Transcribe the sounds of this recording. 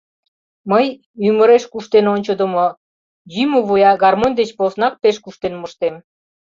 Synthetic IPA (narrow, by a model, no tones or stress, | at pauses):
məj | yməɾeʃkuʃt̪enonʲt͡ɕəd̪əmo | jymoβojɑɡɑrmonʲd̪et͡ɕposnɑk̚peʃkuʃt̪enməʃt̪em